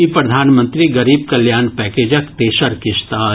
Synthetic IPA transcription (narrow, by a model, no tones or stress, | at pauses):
ipɾɐd̪ʱaːnmə̃nt̪ɾiɡɐɾiːb̚kɐljaːnpɛːkeːd͡ʒəkt̪eːʃəɾkɪʃt̪aː